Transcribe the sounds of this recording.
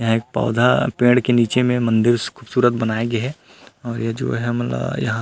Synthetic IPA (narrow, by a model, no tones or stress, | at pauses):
jɐɦãeːk̚pa̰ːd̪ʱapẽːɽɖkeniːt͡ʃemẽmɐ̃nd̪ɪɾkʰuːbsuːɾət̪̚bɐnaːeɡeɦɛ | ɔːɾjed͡ʒo̰ːɦɛmɐt̪lə̰bjɐ̰ɦã